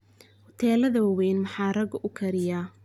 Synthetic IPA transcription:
hʊt̪ʰɛːlɐðɐwɐwɛjnmɑħɑːrɐɡʊʔʊkʰɐɾɪjaː

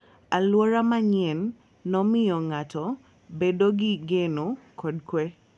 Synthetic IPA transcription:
alwɔɾamaɲɛnː | ɔmɪɔŋatɔ | bedoɡɪɡenokʰɔdkwɛ

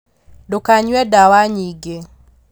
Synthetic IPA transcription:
dokaɲwɛdawaɲiɡe

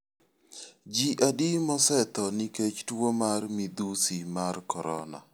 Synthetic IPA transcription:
d͡ʒiʔadimɔsɛt̪ɔniket͡ʃtwomarmid̪usimarkɔɾɔ̰na̰

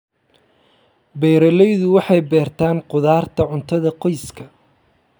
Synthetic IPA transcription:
bɛjɾɐlɛjðʊwɑħɑjbɛːrt̪ʰaːnqʊðaːrt̪ʰɐʕʊnt̪ʰɐðɐqɔjskʰɐ

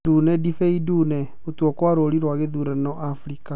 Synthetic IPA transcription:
dunɛdifeidunɛ | otwɔkwaɾoɾiɾwaɣeðuɾɛnɔʔafɾika

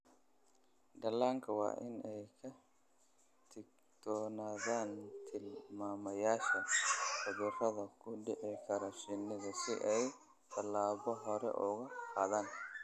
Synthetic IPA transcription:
ɖɐlaːŋkʰɐwɑ̰ːʔɪnɛjkʰɐ | t̪ʰɪk | t̪ʰɔːnaːðaːnt̪ʰɪlmaːmɐjaːʃɐfʊðɪrɐðɐkʰʊɖɪʕɪkʰɐɾɔʃɪnɪðɐsɪʔɛj | t̪ʰɐlaːβɔɦɔɾɛ̰ʔɔɣɐqaːðaːn

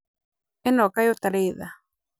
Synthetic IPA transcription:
enokajot̪aɾeða

